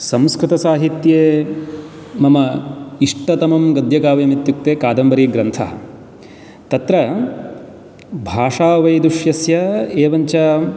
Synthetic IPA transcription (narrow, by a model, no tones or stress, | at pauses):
sɐ̃mskɾɪt̪ɐsaːɦit̪jeː | mɐmɐiʂʈɐt̪ɐmɐmɡɐd̪jɐkaːʋɐjɐmit̪juk̚t̪eːkaːd̪ɐmbɐɾiːɡɾɐnt̪ʰɐ̰ɦɐ̰̆ | t̪ɐt̪ɾɐ | bʱaːʂaːʋɐjd̪ɾuʂjɐsjɐeːʋɐɲt͡ʃɐ